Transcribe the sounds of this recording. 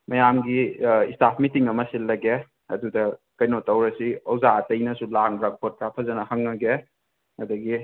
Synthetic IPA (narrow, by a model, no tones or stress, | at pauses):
mɐjamɡiistapʰmitiŋɐmɐsilːɐɡe | ɐ̰dudɐkɐjnotɐwɾɐsiɐwzaːtɐjnɐsulaŋbɾak̚bʰot̚pɾapʰɐzɐnɐhɐŋːɐɡe | ɐdɐɡi